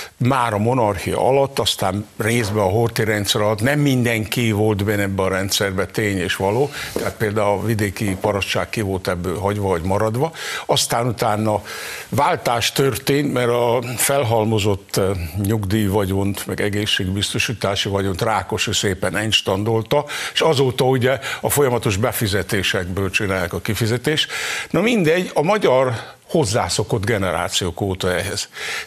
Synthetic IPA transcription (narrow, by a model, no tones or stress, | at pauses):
maːɾɒmo̞nɒrxijɒ̰ʔɒlɒt̪ːɒst̪aːnreːzbɛɒɦort̪iɾɛnt̪sɛɾɒlɒt̪nɛmːind̪ɛŋkivo̞lt̪bɛnɛbːɛɒɾɛnt̪sɛrbɛt̪eːɲeːʃʋɒloːt̪ɛɦat̪̚peːld̪aːulvid̪eːkipɒɾɒʃt͡ʃa̰ːkkivo̞lt̪ɛbːøːlɦɒɟʋɒɒɟmɒɾɒd̪ʋɒɒst̪aːnut̪aːnːɒvaːlt̪aːʃt̪ørt̪eːnt̪mɛɾɒfɛlɦɒlmo̞zo̞t̪ːɲuɡd̪iːvɒɟont̪mɛ̰ɡɛɡeːʃːeːɡbist̪o̞ʃiːt̪aːʃivɒɟo̞nt̪raːko̞ʃøseːpɛnɛɲt͡ʃt̪ɒnd̪o̞lt̪ɒeʃɒzoːt̪ɒuɟɛɒfo̞jɒmɒt̪o̞ʒbɛfizɛt̪eːʃɛɡ̚bøːlt͡ʃinaːjɛkɒkifizɛt̪eːʃnɒmind̪ɛɟːɒmɒɟɒr | ho̞zːa̰ːso̞ko̞d̪ɡɛnɛɾa̰ːt̪sijoːkoːt̪ɒɛɦɛz̥